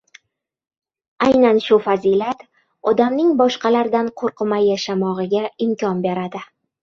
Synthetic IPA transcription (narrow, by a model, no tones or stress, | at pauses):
ajnanʃʊfazilat̪ | ɒd̪amnɪŋbɒʃqɑlaɾd̪anqʰoɾqʰɨmajaʃamɒʁɨɡʲaɪmkʲʰɒnbe̞ɾad̪ɪ